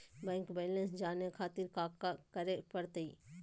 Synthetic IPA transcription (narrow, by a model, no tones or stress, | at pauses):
bɛ̃ːŋkbɛːlə̃nsd͡ʒaːnekʰaːt̪ɪɾkaːkakəɾepɐɾt̪əiː